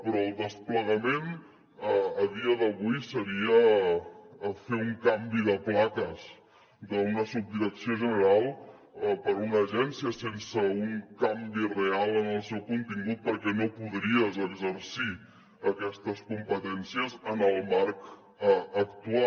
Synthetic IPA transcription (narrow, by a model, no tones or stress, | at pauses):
pɾɔːlˠd̪əspləɣəmen | əːðiəðəβujsəɾiə | feuŋkambiðəplakəz | d̪əunəsub̚d̪iɾəksioʒənəɾalˠ | əpəɾunəʒɛnsiəsensəuŋkambirealˠənəlˠsɛwkunt̪iŋɡut̪̚pəɾkɛnopuðɾiəzəɡzəɾsi | əkɛst̪əskumpət̪ɛnsiəzənəlˠmaɾk | əkt̪ua